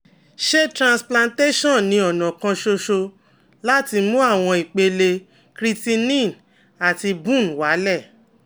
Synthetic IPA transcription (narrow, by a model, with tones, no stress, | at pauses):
ʃe˦tɾã˨splã˧nte˦ʃɔ̃˦˨nĩ˧˦ɔ˨nɔ̃˨kã˧ʃo˧ʃo˧ | la˦ti˧mũ˦a˦˨w̃ɔ̃˧i˨k͡pe˧le˧ | kɾi˦˧ti˧nĩ˦˨n | a˨ti˧bũ˦˨n˨wa˨˦lɛ˦˨